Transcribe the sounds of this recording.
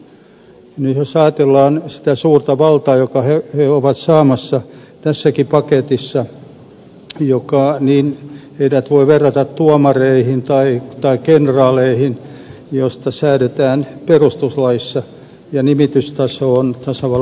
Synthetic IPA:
nyjosɑjɑt̪elːɑːnsi̥t̪æsuːrt̪ɑʋɑlt̪ɑːjokɑheheoʋɑt̪sɑːmɑsːɑt̪æsːækipɑket̪isːɑ | jokɑniːneidæt̪ʋoiʋerːɑt̪ɑt̪t̪uɑmɑreihint̪ɑit̪ɑikenrɑːleihin | jost̪ɑsæyɾet̪æːnperust̪uslɑjisːɑ | jɑnimit̪yst̪ɑsoːnt̪ɑsɑʋɑ

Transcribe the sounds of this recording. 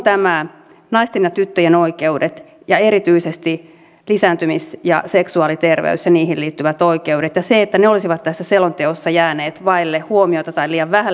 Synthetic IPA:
t̪æmæ | nɑist̪inːɑt̪yt̪ːøjenoikeudet̪ | jɑeɾit̪yisest̪i | lisæːnt̪ymisjɑ̰seksuɑːlit̪erʋḛysjɑniːɦilliːt̪ːyʋæt̪oikeudet̪jɑseːt̪ːæneolisiʋɑt̪t̪ːæsːæselont̪eosːɑjæːneːt̪ʋɑilːehhuomioit̪ɑt̪ɑiliːjɑʋʋæhæ

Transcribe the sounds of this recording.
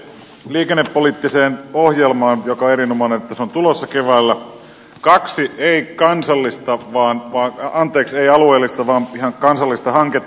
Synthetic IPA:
liːkenːepːoliːt̪ːiseːnohjelmɑːnjokɑoeɾinomɑˑnenet̪ːæseont̪ulosːɑkeʋæːlːæ | kɑksieikɑnsɑlːist̪ɑʋɑːnʋɑːɑnt̪ˑeːkseiɑlueːlːist̪ɑʋɑːnihɑŋkɑnsɑlːist̪ɑhɑŋket̪ː

